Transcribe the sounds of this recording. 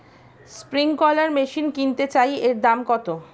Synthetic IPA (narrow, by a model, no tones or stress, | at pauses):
spɾiŋkɔlaɾmeʃinkint̪et͡ɕajeɾd̪amkɔt̪o